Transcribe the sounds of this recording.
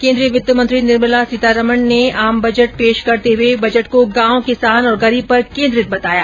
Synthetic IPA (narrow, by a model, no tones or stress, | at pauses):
kẽːnd̪ɾijəmʊt̪ːəmə̃nt̪ɾinɪɾməlasɪt̪aɾɐməɳneaːmbɐd͡ʒəʈ̚peːʃkɐɾt̪eɦʊebɐd͡ʒəʈkoɡãːõkɪsaːnɔːɾɡɐɾiːb̚pɐɾkẽːnd̪ɾɪt̪̚bɐt̪aːja̰ː